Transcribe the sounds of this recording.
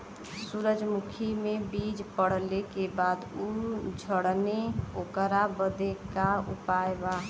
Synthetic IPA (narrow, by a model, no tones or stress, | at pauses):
suɾəd͡ʒmukʰimebid͡ʒpəɽ̤lekebad̪ud͡ʒʱəɽneokəɾabəd̪ekaṵpaeba